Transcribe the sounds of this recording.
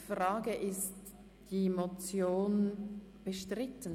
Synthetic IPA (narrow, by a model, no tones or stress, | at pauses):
fraːɡəʔɪst | d̥imot͡sjoːn | b̥əʃtʁɪtən